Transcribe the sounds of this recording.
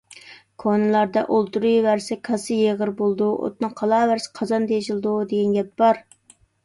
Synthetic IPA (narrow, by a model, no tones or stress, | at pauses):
kʰonɨlˠɑɾd̪ɑʔolˠt̪uɾujwæɾsɪkʰɑsɨjeʁəɾbolˠd̪uʔo̰t̪̚nɨqʰɑlˠɑːwæɾsɪ̥qʰɑzɑnt̪ʰeʃɪlˠɨd̪ud̪eɡʲɛnɡʲɛp̚b̥ɑɾ